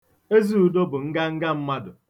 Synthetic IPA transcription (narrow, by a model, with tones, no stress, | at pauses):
e˦zi˦u˨do˦bʊ˨ŋ̩˦ɡa˦ŋ̩˦ɡa˦m̩˦ma˦dʊ˨